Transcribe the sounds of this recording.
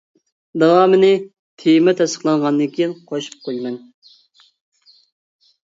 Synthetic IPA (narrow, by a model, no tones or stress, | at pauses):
d̪ɑwɑːmɪnɪ | t̪ʰejmɛt̪ʰɛsə̥χlˠɑɴʁɑnd̪ɨŋkʲʰijinqʰoʃɨ̥p̚qʰojmɛn